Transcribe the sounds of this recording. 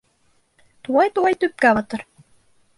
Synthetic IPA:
t̪uɑjt̪uɑjt̪yp̚kæβɑt̪ɤ̆ɾ

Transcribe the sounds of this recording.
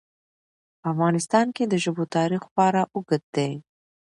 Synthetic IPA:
afɣɑnɪst̪ɑnked̪əʒəbot̪ɑɾixpɑɾaʔʊɡəd̪̚d̪ej

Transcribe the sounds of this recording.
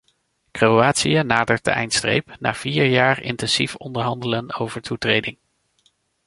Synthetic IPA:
krowaːtsijənaːdəɹt̚də̰ɛ̰jntstrḛjpna̰ːv̥iːɹjaːɹɪ̰ntɛnsifɔndəɹɦɑndələnowvəɹtutrejdɪŋ

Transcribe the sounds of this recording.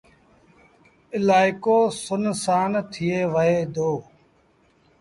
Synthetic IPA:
ɪlaːɪkoːsʊnsaːnt̪ʰɪjeːʋəɦeːd̪oː

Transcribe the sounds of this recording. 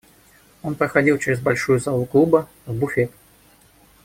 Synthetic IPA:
o̞npɾəxɐdʲilˠt͡ɕɪɾʲɪzbɐlʲʂujʊzalˠʊklˠubə | vbʊfʲet̪

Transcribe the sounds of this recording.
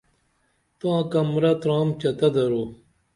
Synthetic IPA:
t̪ãːkɐmɾɐt̪ɾaːmt͡ɕɐt̪ɐd̪ɐɾoː

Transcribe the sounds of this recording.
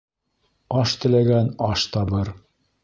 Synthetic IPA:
ɑʃt̪ɘ̆læɡænɑʃt̪ɑβɤɾ

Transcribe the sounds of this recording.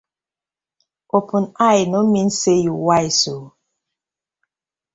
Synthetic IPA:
opunajnomin̩sejuwajso

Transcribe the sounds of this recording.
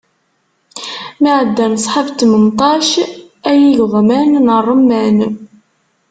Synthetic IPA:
miʕəd̪ːæməsˤħabt̪ːmənt̪ˤɑʃ | æjiʝəʁˤmænnərˤːəmːæn

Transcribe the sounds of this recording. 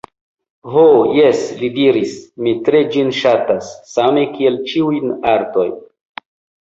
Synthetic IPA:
ɦojeslidiɾismitɾe̞d͡ʒinʃatasːame̞kie̞lt͡ʃiujnaɾto̞jn

